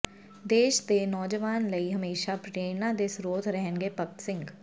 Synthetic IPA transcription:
d̪eːʃt̪enɔːd͡ʒəʋaːnləiɦəmeːʃapʈeːnad̪ɪsɾoːt̪ʰɾɛɦənɡepək̚t̪sɪ̃ŋɡ

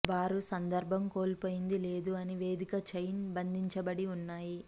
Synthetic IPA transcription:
ʋaːɾusɐnd̪ɐɾbʱɐmko̞ːlpoːjind̪ile̞ːd̪uɐniʋe̞ːd̪ikɐt͡ʃɐjnbɐnd̪ʱiɲt͡ʃɐbɐɽiunːaːji

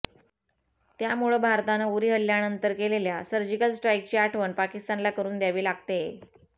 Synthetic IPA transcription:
t̪jamuɭəbʱaɾt̪aneuɾiːɦəlːjanənt̪əɾkeleljasəɾd͡ʑikəlsʈɾaik̚t͡ɕiːaʈʰʋəɳpakist̪anlakəɾuːnd̪jaʋiːlaɡ̚t̪e

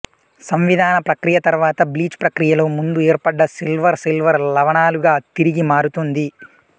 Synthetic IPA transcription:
sɐmʋid̪ʱaːnɐpɾɐkɾijɐt̪ɐɾʋaːt̪ɐbliːt͡ʃpɾɐkɾijɐloːmund̪ueːɾpɐɖːɐsilʋɐɾsilʋɐɾlɐʋɐɳaːluɡaːt̪iɾiɡimaːɾut̪und̪i

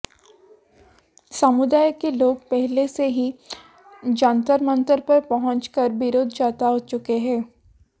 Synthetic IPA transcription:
səmʊd̪aːjkeloːɡ̚pɛɦleseɦi | d͡ʒãːnt̪əɾmə̃nt̪əɾpɐɾpɐɦə̃ɲt͡ʃkəɾbɪɾoːd̪d͡ʒaːt̪aɦot͡ʃʊkeɦɛ̃ː

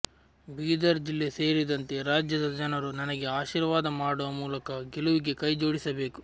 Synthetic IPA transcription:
biːd̪ɐɾd͡ʒilːese̞ːɾid̪ɐnt̪e̞ɾaːd͡ʒjɐd̪ɐd͡ʒɐnɐɾunɐnɐɡe̞aːʃiːɾʋaːd̪ɐmaːɽɔʋɐmuːlɐkɐɡeluʋiɡe̞kɐjd͡ʒo̞ːɽisɐbe̞ːku̥

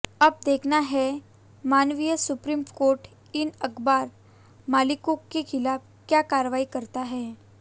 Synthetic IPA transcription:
əb̚d̪ekʰnaɦɛ | manʋijəsupɾiːmkoɾʈ | inəkbaɾ | malikokːekʰilab̚kjakaɾʋaikəɾt̪aɦɛ

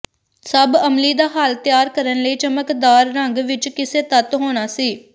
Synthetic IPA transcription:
səbəmliːd̪aːɦaːlt̪ɪjaːɾkəɾənləiːt͡ʃəməkd̪aːɾːəŋɡʋɪt͡ʃkɪseːt̪ət̪ɦoːɽ̃aːsiː

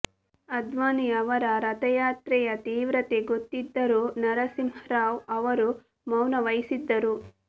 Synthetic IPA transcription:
ɐd̪ʋaːniɐʋɐɾɐɾɐt̪ɐjaːt̪ɾɛjɐt̪iːʋɾɐt̪eɡot̪ːid̪ːɐɾuːnɐɾɐsimhɾaːʋɐʋɐɾu | mɐwnɐʋɐjsid̪ːɐɾu

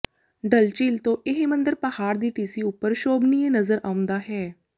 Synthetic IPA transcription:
ɖəlt͡ʃiːlt̪õːʔɪɦmə̃nd̪əɾpɐhaːɾd̪iːʈiːsiːʊpːəɾʃoːbniẽnəzəɾʔaːʊ̃nd̪aːɦɛː

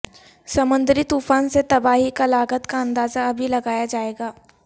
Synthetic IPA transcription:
sɐmə̃nd̪ɾit̪uːfaːnset̪ɐbaːɦikalaːɡət̪kaɐ̃nd̪aːzaɐbʱilɐɡaːjad͡ʒaːeːɡaː

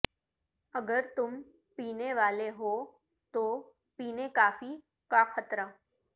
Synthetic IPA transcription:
əɡəɾt̪ʊm | piːneʋaːleɦo | t̪o | piːnekaːfiː | kaxʰət̪ɾa

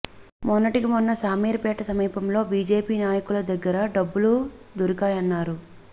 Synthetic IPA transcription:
mɔnːɐʈikimɔnːɐsaːmiːɾpɛːʈɐsɐmiːpɐmlo̞ːbiːd͡ʒeːpiːnaːjɐkulɐd̪ɐɡːɐɾɐɖɐbːulud̪uɾikaːjɐnːaːɾu

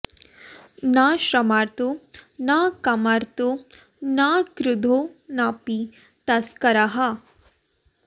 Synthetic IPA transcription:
naʃɾɐmaːɾt̪onakɐmaɾt̪o | nakɾʊd̪ʱonaːpi | t̪ɐskɐɾaɦa

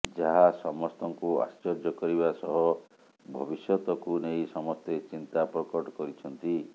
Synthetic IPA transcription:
d͡ʒaɦasɔmɔst̪ɔŋkua̰st͡ʃɔɾd͡ʒɔkɔɾibasɔɦɔ | bʱɔbisjɔt̪ɔkunejsɔmɔst̪et͡ʃint̪apɾɔkɔʈɔkɔɾit͡ʃʰɔnt̪i

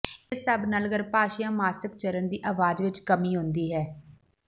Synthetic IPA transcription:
ɪsəbnaːlɡəɾpaːʃjãːmaːsɪk̚t͡ʃəɾənd̪iːʔaːʋaːd͡ʒʋɪt͡ʃkəmiːɦʊ̃nd̪iːɦɛː

